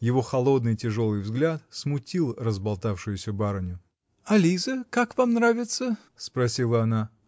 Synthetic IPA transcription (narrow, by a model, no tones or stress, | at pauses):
jɪvo̞xɐlˠo̞d̪nɨjtʲɪʐo̞lˠɨjvzɡlʲat̪smʊtʲilˠrəzbɐlˠt̪afʂɨjʊsʲəbaɾənʲʊ | ɐlʲizəkakvamnɾavʲɪt̪sə | spɾɐsʲilˠəɐna